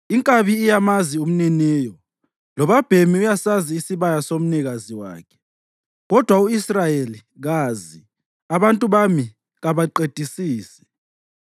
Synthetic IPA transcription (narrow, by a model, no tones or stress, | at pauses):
iŋkʼaβiːjamazium̩nɛnɛːjɔ | lɔβab̥ʱemiujasaziːsiβajasom̩niɣaziwa̰ːkʰɛ̥ | ɣɔd̥ʱwauisrajeli | ɣaːzi | aβantʼuβami | ɣaβaǃed̥ʱisiːsɛ̥